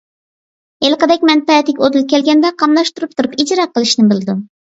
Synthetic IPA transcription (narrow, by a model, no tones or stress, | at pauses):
elˠqəd̪ɛkʲmɛnpɛt̪ɪkʲod̪ɨlˠkʲɛlɡʲɛnd̪ɛqʰɑmlˠɑʃt̪uɾup̚t̪ʰuɾupid͡ʒɾɑqʰːəlˠɨʃnɪbɪlˠɨd̪u